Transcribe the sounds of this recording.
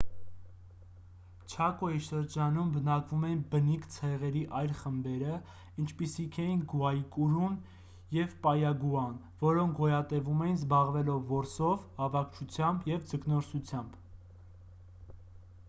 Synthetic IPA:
t͡ʃʰɑkɔiʃəɾd͡ʒɑnumbənɑkvumɛnbənikt͡sʰɛʁɛɾiʔɑjlχəmbɛɾə | int͡ʃʰpisikʰɛjinɡuɑjikʼuɾun | jɛvpɑjɑɡuɑn | vɔɾɔŋkʰɡɔjɑt̪ɛvumɛjinzbɑʁvɛlɔvːɔɾsɔvhɑvɑkʰt͡ʃʰut͡sʰjɑmbjɛvd͡zəknɔɾsut͡sʰjɑmb̥

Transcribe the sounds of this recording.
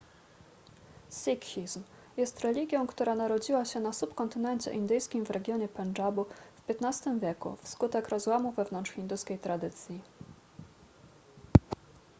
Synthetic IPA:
sikxʲizm | jɛst̪ɾɛlʲiɡʲjɔ̃w̃kt̪uɾanaɾɔd͡ʑiwaɕɛnasupkɔnt̪ɘnɛɲt͡ɕɛ̰ʔind̪ɘjskʲimvɾɛɡʲjɔɲɛpɛnd͡ʐabufpʲjɛt̪nast̪ɘmvʲjɛkṵfskut̪ɛkɾɔzwamuvɛvnɔntʂxʲind̪uskʲejt̪ɾad̪ɘt̪sʲji

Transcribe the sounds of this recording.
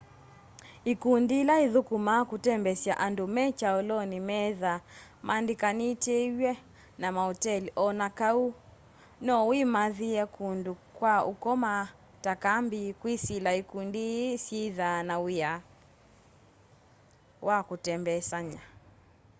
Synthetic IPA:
ikundilaiðukumakutɛmbɛsjaʔandumɛt͡ʃaɔlɔnimɛðamʔandikanitɛwɛ | namaɔtɛliʔɔnakau | nɔwimaðiɛkʰundukwaukɔma | takambikwisilaikundisiðanawija | wakutɛmbɛsaɲa

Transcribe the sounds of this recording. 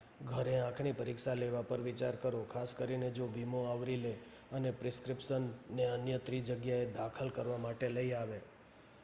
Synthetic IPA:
ɡʱəɾeãkʰɳipəɾikʃaleʋapəɾʋit͡ʃaɾkəɾokʰaskəɾined͡ʒoʋimoaʋɾile | ənepɾɪskɾɪpʃənːeənjət̪ɾid͡ʒəɡjaed̪akʰəlkəɾʋamaʈeləiaʋe

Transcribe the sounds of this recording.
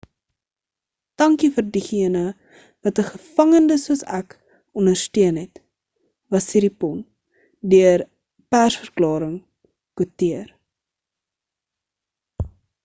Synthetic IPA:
d̥ɐŋkifərdiχiənə | vɐtəχəfɐŋəndəsuəsæ̰k | ɔndərstøənɦɛt | vɐsiɾipɔn | dyər | pærsfərklɑːɾəŋ | kutiər

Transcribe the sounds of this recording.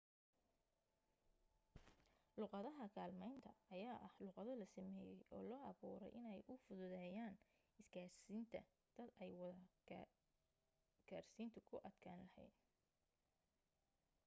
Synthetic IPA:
lʊːqɑðɐɦɐkʰaːlmɛjnt̪ʰɐːjaːʔɐhluːqɑðɐlɐsɐmɛːjɛ̰jʔɔ̰ːlɔːʔɑβuːɾɛ̰jʔɪnɛjʔʊfʊðʊðɛːjaːn | ɪskʰaːrsiːnt̪ʰɐ̰ | d̪̥ɐd̪ɛjwɑðɐ | kʰaːrsiːnt̪ʰʊkʰʊʔɐd̪kʰaːnlɐhɛ̰jd̪̚

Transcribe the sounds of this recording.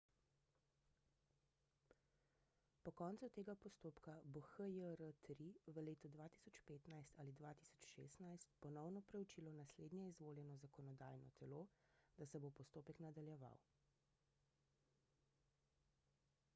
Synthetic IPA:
pɔkɔnt̪sut̪eːɡapɔst̪oːpkaboxəjəɾət̪ɾiʋəleːt̪ɔd̪ʋaːt̪i̥sɔt͡ʃpeːt̪najst̪aːlid̪ʋaːt̪i̥sɔ̥t͡ʃʃḛːst̪najst̪pɔnɔwnɔpɾɛwt͡ʃiːlɔnasleːd̪njɛizʋoːljɛnɔzakɔnɔd̪aːjnɔ̰t̪ʰɛloːd̪̥asɛbopɔst̪oːpɛknad̪aljɛʋa̰w

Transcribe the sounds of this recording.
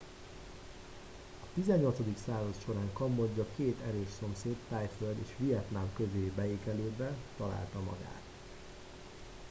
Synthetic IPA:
ɒt̪izɛɲːo̞lt̪so̞d̪iksaːzɒt̪ʃo̞ɾaːŋkɒmːoɟːɒkeːt̪ɛɾøːʃso̞mseːt̪ːaːjføld̪ḛːʃʋijɛt̪namkøzeːbɛeːkɛleːd̪bɛt̪ːɒla̰ːlt̪ɒmɒ̰ɡa̰ːt̪

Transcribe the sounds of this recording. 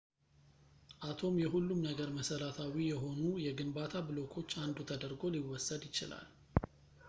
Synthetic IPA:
ʔat̪ʰo̞mjɛɦulːumnəɡəɾməsəɾat̪ʰawijɛɦo̞nujɛɡɨnbat̪ʰabɨlo̞kʰo̞t͡ʃːand̪ut̪ʰəd̪əɾɡo̞liwɔsəd̪jɪt͡ʃɪla̰l

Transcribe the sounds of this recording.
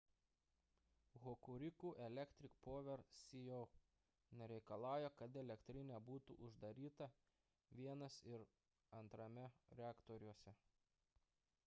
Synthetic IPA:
ɣɔkʊɾʲɪkuːʔɛlʲɛkʲt̪ʲɾʲɪkpoːʋʲɛɾsʲijɔʊ | nʲɛɾʲɛɪkɐlˠɑːˑʊjɛkɐt̪ɛlʲɛkt̪ʲɾʲɪnʲɛːbuːt̪ṵʔʊʒd̪ɐɾʲiːt̪ɐ | ʋʲiɛnɐsɪɾ | ɐnt̪ɾɐmʲɛɾʲɛɑːkt̪ɔɾʲuɔsʲɛ

